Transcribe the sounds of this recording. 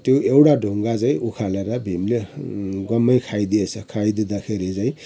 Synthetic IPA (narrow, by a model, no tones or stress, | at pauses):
t̪joewɽaɖʱoŋɡad͡zaj̃ʔukʰaleɾʌbʱimleɡʌmːʌjkʰajd̪iet͡sʰʌkʰajd̪ed̪akʰeɾit͡saĩ